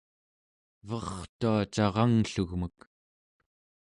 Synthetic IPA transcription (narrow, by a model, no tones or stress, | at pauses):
vʌχt̪uat͡ʃɑʁɑŋɬuɣmək